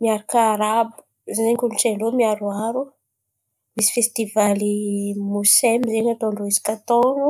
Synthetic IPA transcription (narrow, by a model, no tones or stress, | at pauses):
miaɾakaɾabu̥ | zezeŋkʲuluʈ͡ʂeɳɖ͡ʐomiaɾuaɾu | misi̥fest̪ivalimusemizeɲat̪oɳɖ͡ʐoizi̥kat̪onu